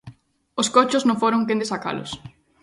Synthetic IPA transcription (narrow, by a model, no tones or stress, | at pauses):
oskot͡ʃʊznõŋfoɾoŋkẽnd̪esaka̰lʊ̰s